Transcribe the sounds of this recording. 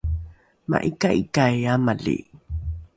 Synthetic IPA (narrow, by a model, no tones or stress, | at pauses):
ma̰ʔikaʔikajamalḭ